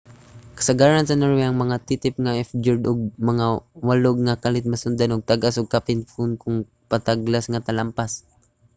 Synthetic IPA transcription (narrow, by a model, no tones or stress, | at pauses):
kɐ̥saɡaːɾansɐnoɹwɛɐŋmɐŋat̪it̪ɪp̚ŋaʔɛfd͡ʒʊd̪ʊɡ̚mɐŋawaloɡŋakalɪt̪̚mɐsʊnd̪anʊɡ̚t̪aɡasʊɡ̚kapɪnfunkʊŋ | pɐt̪aɡlasŋat̪ɐlampas